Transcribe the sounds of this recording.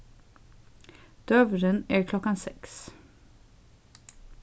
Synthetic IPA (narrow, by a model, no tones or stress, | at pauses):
d̪̥œvɾənæɾkʰlɔkːansɛks